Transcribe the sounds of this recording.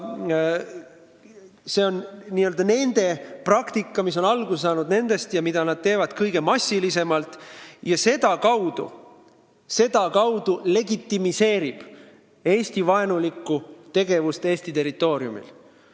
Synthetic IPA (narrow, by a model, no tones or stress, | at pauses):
se̞ːo̞nniːøld̪ɑne̞nd̪̥e̞prɑkt̪ikːˑɑmis̬o̞nɑlɡus̬ɑːnud̪ne̞nd̪̥e̞st̪jɑmid̪̥ɑnɑd̪̥̚t̪e̞ːvɑd̪̥kɤjɡ̥e̞mɑsʲːilis̬e̞mɑlt̪ˑjɑse̞d̪̥ɑkɑwd̪̥ṵ | se̞d̪̥ɑkɑwd̪ule̞ɡit̪ːimise̞ːɾib̥ | e̞ːst̪ivɑe̞nulikːut̪e̞ɡ̥e̞vust̪eːsʲt̪it̪e̞ɾit̪ːˑo̞ːɾiumḭl